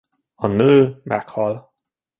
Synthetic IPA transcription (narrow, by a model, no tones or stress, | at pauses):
ɒnøːmʔɛ̰khɒl